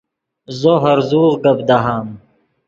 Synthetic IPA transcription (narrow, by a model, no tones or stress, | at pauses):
zoɦɐɾzuːʁɡabd̪aɦaːm